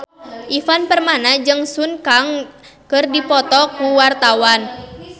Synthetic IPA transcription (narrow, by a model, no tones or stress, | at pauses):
ʔifanpərmanad͡ʒɨŋsunkaŋkɨrdipɔt̪ɔkuwart̪awan